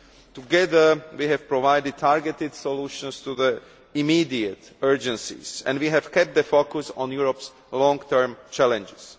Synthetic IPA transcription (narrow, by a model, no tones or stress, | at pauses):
tuɡɛðə˞wiɦɛv̥pɹɔvajdɪd̚t̪ʰaɹɡɛt̪ɪd̪sɔluːʃɔ̃nst̪uðə | imiːdiətɜɹd͡ʒɛ̃nsḭz̥ɛ̰̃ndwiɦɛvkɛp̚t̪̚d̪əfokʊsɔ̰̃njuɹɔps | lɔ̃ŋɡt̪ʰəɹmt͡ʃɛlɛ̃nd͡ʒɪs